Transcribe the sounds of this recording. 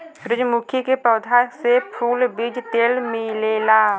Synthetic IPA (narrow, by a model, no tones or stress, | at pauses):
ɾɪd͡ʒmʊkʰjikepɾəd̪ʱasepʰuːlbiːd͡ʒt̪eːlmɪlelaː